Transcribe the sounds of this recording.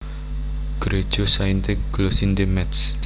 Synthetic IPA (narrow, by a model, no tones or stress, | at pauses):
ɡ̥ɾed̥ʒ̥osaint̪eɡ̥losind̪emɛt̪s